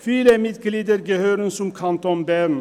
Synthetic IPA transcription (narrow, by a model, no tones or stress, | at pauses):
fyːləmɪd̪ɡliːd̪əɾɡɛhøːɾənsʊmkʰɑnt̪ɔnbæːɾn̩